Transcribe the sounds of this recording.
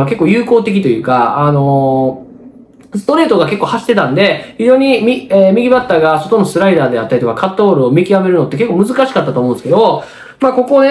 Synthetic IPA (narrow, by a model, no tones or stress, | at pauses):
ake̞kːo̞ːjɯ̟ːko̞ːt̪e̞k̬ʲit̪o̞jɯ̟ːkaano̞ | sɨ̥t̪o̞ɾe̞ːt̪o̞ɡake̞kːohaɕi̥t̪ːe̞t̪ãnd̪e̞çiʑo̞ːɲ̟imʲieːmʲiɡʲibat̪ːaːɡaso̞t̪o̞no̞sɨɾaid̪aːd̪e̞at̪ːaɾʲit̪okakʰat̪ːoːɾɯ̟omʲikʲiame̞ɾɯ̟no̞t̪ːe̞ke̞kːoːmɯ̟zɨkaɕi̥kat̪ːat̪omõnsɨked̪o̞ | mako̞ko̞ne